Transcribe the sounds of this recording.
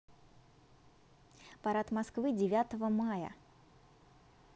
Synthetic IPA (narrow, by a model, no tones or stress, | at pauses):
pɐɾat̪mɐskvɨdʲɪvʲat̪əvəmajə̰